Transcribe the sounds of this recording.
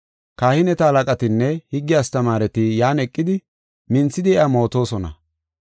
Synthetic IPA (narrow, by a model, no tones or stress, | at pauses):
kaːhɪnɛt̪ɐɐlɐkʼɐt̪ɪnːɛhɪɡːɪjast̪ɐmaːɾɛt̪ɪjaːnɛkʼːɪd̪ɪ | mɪnt͡sːɪd̪ɪɛamo̞ːt̪o̞ːsɔnɐ̰